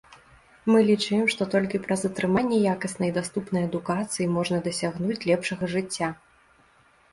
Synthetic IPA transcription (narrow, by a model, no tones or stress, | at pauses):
mɨlʲit͡ʂɨjɛmʂt̪ɔt̪ɔlʲkʲipɾɐzɐt̪ɾɨmanʲːɛjakɐsnɐid̪ast̪upnɐjɐd̪ukat̪sɨjimɔʐnɐd̪ɐsʲaɣnut͡sʲlʲɛpʂɐɣɐʐɨt͡sʲːa